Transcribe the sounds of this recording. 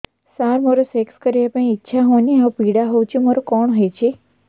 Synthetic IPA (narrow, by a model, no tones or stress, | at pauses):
saɾməɾosɛkskəɾiepə̃ĩːtːʃʰaɦoniawpiɽaɦowt͡ʃʰĩmaɾokɔɳɦəjt͡ʃʰe